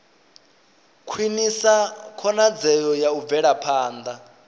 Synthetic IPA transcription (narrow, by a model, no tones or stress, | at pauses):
kʰwinisakʰɔnad͡zɛjɔjaub̪vɛɺapʰaːnd̪a